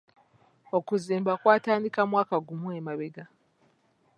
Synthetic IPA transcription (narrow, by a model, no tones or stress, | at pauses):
o̞kuziːmbakwaːtaːndikamwaːkaɡumuemaβeɡa